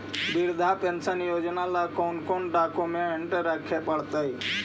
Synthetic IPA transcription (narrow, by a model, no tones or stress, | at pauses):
biɾd̪ʱaːpeːnsanijoːd͡ʒnaːlaːkoːnkoːnɖaːkoːmẽɪɳʈəɾːaːkʰeːpəɽt̪əiː